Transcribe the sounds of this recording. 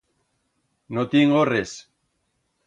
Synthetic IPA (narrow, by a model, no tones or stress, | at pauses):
not̪iŋɡores